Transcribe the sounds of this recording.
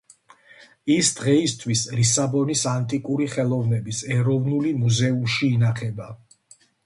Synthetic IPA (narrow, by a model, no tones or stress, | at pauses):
isd̪̥ʁɛist̪ʰwislisabɔnisant̪ʼikʼuɾiχɛlˠɔvnɛbisɛɾɔvnulimuzɛumʃiːnaχɛba